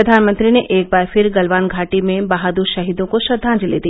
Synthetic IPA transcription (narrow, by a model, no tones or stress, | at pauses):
əd̪ʱaːnmə̃nt̪ɾineʔeːk̚baːɾfʰɪɾɡɐlʋaːnɡʱaːʈimẽbaɦad̪uɾʃɐɦiːd̪õkoʃɐd̪ʱːãːd͡ʒlḛːd̪i